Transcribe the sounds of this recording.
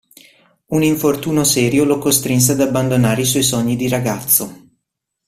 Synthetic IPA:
uniɱfort̪uːnosɛːɾjolokost̪ɾins̬ead̪abːand̪onaːɾeiswɔjsɔɲːid̪iɾaɡat̪sːo

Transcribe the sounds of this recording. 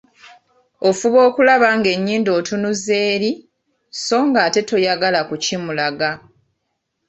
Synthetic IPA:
o̞fuβo̞ːkulaβaŋɡe̞ɲːiːndo̞ːtunuze̞ːɾi | so̞ːŋɡaːte̞to̞jaɡalakucimulaɡa

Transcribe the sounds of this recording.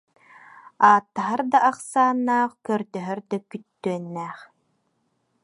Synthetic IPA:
aːt̪ːaɦaɾd̪aʔːqsaːnːaːχkœɾd̪œɦœɾd̪œkyt̪ːyœnːɛːχ

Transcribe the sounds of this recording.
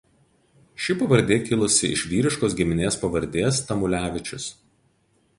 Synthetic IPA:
ʃʲɪpɐʋɐɾʲd̪ʲeːkʲɪlˠʊsʲɪɪ̰ʃʲʋʲiːɾʲɪʃkoːs̬ɡʲɪmʲɪnʲeːspɐʋɐɾʲd̪ʲeːst̪ɐmʊlʲæːʋʲɪt͡ʃʲʊs

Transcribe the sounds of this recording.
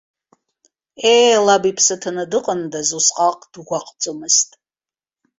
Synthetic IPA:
elabipʰsɨtʰanɨdɨqʼəndazusqʼaqʼd̥ɡʷaqʼt͡sʼomɨstʼ

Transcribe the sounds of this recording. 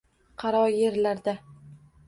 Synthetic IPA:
qʰɑɾɒje̞ɾlaɾd̪a

